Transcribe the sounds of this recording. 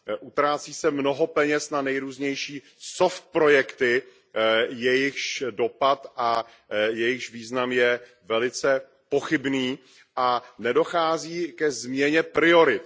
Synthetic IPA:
ʔut̪ɾaːt͡siːsɛmno̞ɦo̞pɛɲɛsnanɛjɾuːzɲɛjʃiː | soft̪̚pɾo̞jɛkt̪ɪ | jɛjɪxʃdo̞pat̪ʔa | jɛjɪxʒviːznamjɛ | vɛlɪt͡sɛ | po̞xɪbniː | ʔanɛdo̞xaːziːkɛzmɲɛɲɛpɾɪo̞ɾɪt̪̚

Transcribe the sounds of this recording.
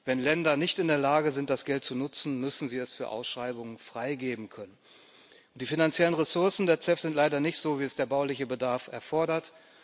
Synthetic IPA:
vɛnlɛndɐnɪçtɪndeːɐlaːɡəzɪnt̚d̥asɡ̥ɛlt̚t͡sunʊt͡sn̩mʏsn̩ziːɛsfyːɐʔa̰ʊsʃʁ̥aɪbʊŋənfʁ̥aɪɡeːbm̩kʰœnən | ʔʊnt̚d̥iːfinant͡sjɛlənʁɛsʊɐsn̩deːɐt͡sɛfz̥ɪntlaɪdɐnɪçtz̥oːviːɛsd̥eːɐbaʊlɪçəbədaɐfɛɐfɔɐɾɐt

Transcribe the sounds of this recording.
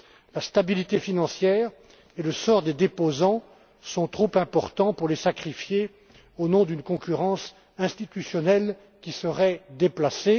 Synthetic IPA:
last̪abilit̪efinɑ̃sjɛːʁ | eləsɔʁd̪ed̪epozɑ̃ | sɔ̃t̪χopɛ̃pɔʁt̪ɑ̃puʁlesakχifje | onɔ̃d̪ynkɔ̃kʲyʁɑ̃s | ɛ̃st̪it̪ysjɔnɛl | kʲisəʁɛd̪eplase

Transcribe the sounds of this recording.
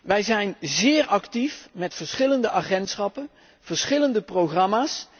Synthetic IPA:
ʋɛjzɛjnzɪːɹɑktifmɛtfəɹsχɪləndəʔaːχɛntsχɑpən | v̥əɹsχɪləndəproχrɑmaːs

